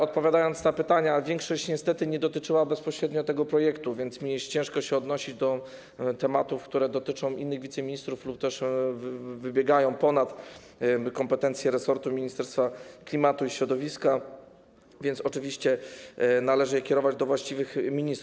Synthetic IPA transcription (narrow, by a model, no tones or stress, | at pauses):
ɔt̪̚pɔvʲjad̪ajɔnt̪snapɘt̪aɲavʲjɛŋkʂɔɕt͡ɕɲɛst̪ɛt̪ɘɲɛd̪ɔt̪ɘt͡ʂɘwabɛspɔɕɾɛd̪ɲɔt̪ɛɡɔpɾɔjɛkt̪uvʲjɛnt̪smʲit͡ɕɛ̃ʂkɔɕɛɔd̪nɔɕid͡ʑd̪ɔ | t̪ɛmat̪ufkt̪uɾɛd̪ɔt̪ɘt͡ʂɔ̃w̃ʔinːɘɣvʲit̪sɛmʲiɲist̪ɾuflup̚t̪ɛʂvvɘbʲjɛɡajɔ̃w̃pɔnat̪ | kɔmpɛt̪ɛnt̪sʲjɛɾɛsɔɾt̪umʲiɲist̪ɛɾst̪faklʲimat̪uiɕɾɔd̪ɔvʲiska | vʲjɛnt̪sɔt͡ʂɘvʲiɕt͡ɕɛnalɛʐɘjɛkʲɛɾɔvad͡ʑd̪ɔvwaɕt͡ɕivɘxmʲiɲist̪ɾ